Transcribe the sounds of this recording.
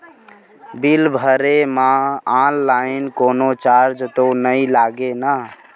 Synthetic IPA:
bilbʱəɾemaalːainkonot͡ʃaɾd͡ʒt̪onəjlaɡena

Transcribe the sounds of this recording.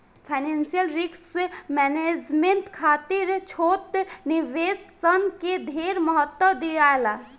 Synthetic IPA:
pʰaɪneːnsijəlɾɪksmɛːned͡ʒmẽnʈkʰaːt̪ɪɾt͡ʃʰoːt̪niʋeːsːənked̪ʱeːɾməɦət̪wəd̪iaːela

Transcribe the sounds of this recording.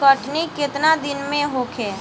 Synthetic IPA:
kəʈnikɪt̪nad̪ɪnmẽɦokʰeː

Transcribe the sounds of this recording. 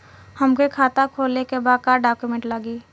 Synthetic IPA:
həmkekʰaːt̪akʰoːlekebaːd̪kaːɾɖaːkjumẽɳʈləɡiː

